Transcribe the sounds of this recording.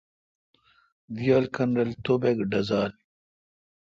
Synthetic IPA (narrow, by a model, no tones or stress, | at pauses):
d̪ijaːlkʰɐnɾɐlt̪obeɡɖɐzaːl